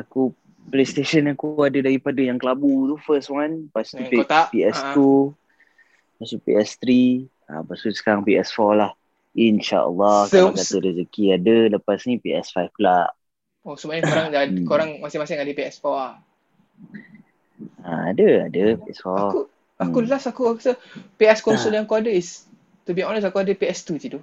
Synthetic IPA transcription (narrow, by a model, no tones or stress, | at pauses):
aku | plest̪eʃənakuadədaɾipadəjaŋkəlabut̪ufəswanpast̪ut̪apiɛst̪u | past̪upḭɛst̪ɾi | a̰pasusə̥kaɾaŋpiɛsfɔlah | inʃa̰ʔə̰lːɔhkdat̪uɾɛzəkiadələpasnĩpiɛsfajfklaʔ | osumaʔɲəkoɾaŋakoɾaŋmasɪŋmasɪŋadəpiɛsfɔa | aa̰dəa̰dəpiɛ̰sfɔau | akulasakuksəpiɛskɔnsɔdãŋkuadəis | t̪ubiɔnəsakuadəpiɛst̪ut̪idu